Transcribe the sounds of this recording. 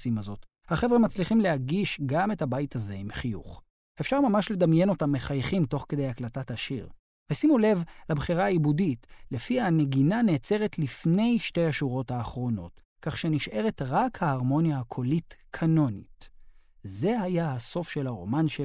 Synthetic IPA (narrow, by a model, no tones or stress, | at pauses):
simazo̞t | haχe̞vʁemat͡sliχimle̞ɦaɡiʃɡame̞thabajtaze̞imχijṵχ | efʃaʁmamaʃle̞d̪amje̞no̞tamːe̞χajχimto̞χke̞dejaklatathaʃḭʁ | vesimule̞vlabχiʁaːibuditle̞fiane̞ɡinane̞ːt͡se̞ʁetlifne̞jʃte̞jaʃuʁo̞thaːχʁo̞no̞̰t | kaχʃe̞niʃʔe̞ʁe̞tʁakhaːʁmo̞njahakʰo̞litkʰano̞nḭt | ze̞hajahaso̞fʃe̞laʁo̞̰manʃe